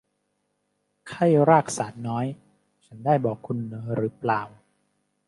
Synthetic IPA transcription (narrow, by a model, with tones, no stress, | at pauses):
kʰa˥˩jɾaː˥˩k̚saː˩˦t̪̚nɔː˦˥j | t͡ɕʰa˦˥ndaː˥˩jbɔː˨˩kʰːu˧nːɤː˩˦ɾɯː˩˦plaː˨˩w